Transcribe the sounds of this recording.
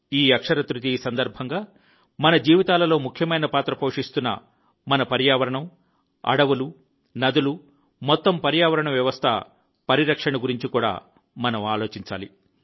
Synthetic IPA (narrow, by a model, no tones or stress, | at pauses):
iːɐkʂɐɾɐt̪ɾut̪isɐnd̪ɐɾbʱɐŋɡaː | mɐnɐd͡ʒiːʋit̪aːlɐlo̞ːmukʰjɐmɐjnɐpaːt̪ɾɐpo̞ːʂist̪unːɐ̰ | mɐnɐpɐɾjaːʋɐɾɐɳɐm | ɐ̰ɽɐʋulu | nɐd̪ulu | mɔt̪ːɐmpɐɾjaːʋɐɾɐɳɐmʋjɐʋɐst̪ʰɐ̰ | pɐɾiɾɐkʂɐɳɐɡuɾiɲt͡ʃikuːɽa̰ː | mɐnɐmaːlo̞ːt͡ʃiɲt͡ʃa̰ːlḭ